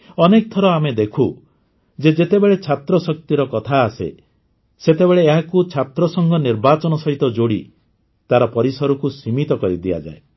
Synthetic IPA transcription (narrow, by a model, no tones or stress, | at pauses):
ɔnek̚t̪ʰɔɾɔamed̪ekʰu | d͡ʒed͡ʒet̪ebeɭet͡ʃʰat̪ɾɔsɔk̚t̪iɾɔkɔt̪ʰaːsḛ | set̪ebeɭeːɦakut͡ʃʰat̪ɾɔsɔŋɡɔniɾbat͡ʃɔnɔsɔɦit̪ɔd͡ʒoɽi | t̪aɾɔpɔɾisɔɾukusimit̪ɔkɔɾid̪ia̰d͡ʒa̰e